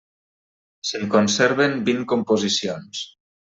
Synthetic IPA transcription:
seŋkonsɛɾβembiŋkompozisions

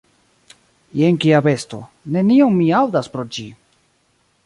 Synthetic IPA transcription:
jeŋkiabe̞sto̞̰ | ne̞nio̞ŋmiawdaspɾo̞d͡ʒi

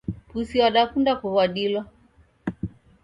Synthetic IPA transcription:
pusiwaɗakundakuβwaɗilɔ

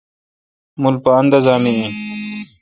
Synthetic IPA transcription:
mulpaɐnd̪ɐzaːmiĩ

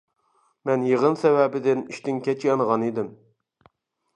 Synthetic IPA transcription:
mɛnjeʁənsɛvɛbɪd̪ɪniʃt̪ɪŋkʲʰɛt͡ʃʰijɑnəʁɑnid̪ɪm

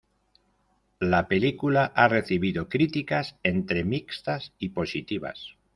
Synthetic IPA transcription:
lape̞likulaʔare̞θiβiðokɾit̪ikasent̪ɾe̞mikst̪asipo̞sit̪iβ̞a̰s

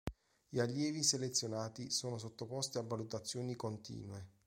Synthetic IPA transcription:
jialːjɛːviselet̪sːjonaːt̪isoːnos̬ot̪ːopɔst̪iavːalut̪at̪sːjoːnikont̪ḭːnwe

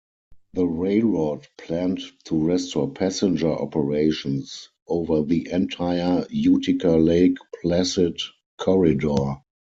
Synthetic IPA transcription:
ðəɹeɪlɹɔdpʰlæ̃nttʰuɹɛstɔpʰæsɪ̃nd͡ʒə˞ʔɔ̰pəɹeɪʃɔ̃ns | ʔoʊvə˞ðiʔɛ̃ntʰaɪə˞jutʰɪkʰəleɪkpʰlæsɪd | kʰɔɹɪdɔ

